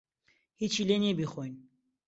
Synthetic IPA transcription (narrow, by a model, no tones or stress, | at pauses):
hit͡ʃʰilenebiχojn